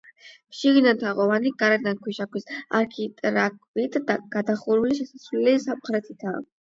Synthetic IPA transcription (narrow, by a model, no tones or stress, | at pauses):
mʃiɡid̪ant̪ʰaʁɔvaniɡaɾad̪ankʰwiʃakwisa̰ɾkʰit̪ʼɾakʼvit̪ʰd̪aɡ̥ad̪aχuɾuliʃɛsaslɛlisamχɾɛt̪ʰit̪ʰa